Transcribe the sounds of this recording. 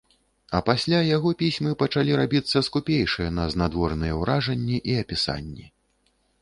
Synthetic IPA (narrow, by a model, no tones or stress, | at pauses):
ɐpasʲlʲajaɣɔpʲisʲmɨpɐt͡ʂalʲiɾabʲit̪sːɐskupʲejʂɨjɛnɐznad̪vɔrnɨjɛwɾaʐɐnʲːiʔiɐpʲisa̰nʲːi